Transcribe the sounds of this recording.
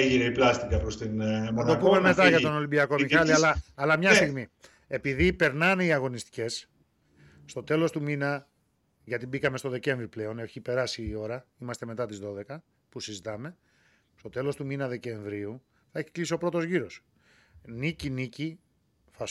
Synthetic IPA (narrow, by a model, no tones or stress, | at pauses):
ʝineiplɐst̪ikɐpɾost̪inɐt̪opumeme̞t̪ɐʝɐtt̪o̞no̞limbiɐko̞mixɐliɐlɐːlɐmɲɐst̪iɣmi | e̞piðipe̞ɾnɐneiɐɣo̞nist̪i̥ce̞sː | t̪o̞t̪e̞lo̞st̪uminɐ | ʝɐt̪ibikɐme̞st̪o̞ðe̞ce̞ɱvɾiple̞o̞ne̞çipe̞ɾɐsiːo̞ɾɐimɐst̪e̞me̞t̪ɐt̪izðo̞ðe̞kɐ | pusizit̪ɐme̞ | st̪o̞t̪e̞lo̞st̪uminɐðe̞ce̞ɱvɾiu | θɐeçi̥klisio̞pɾo̞t̪o̞zʝiɾo̞s | nicinici | θɐ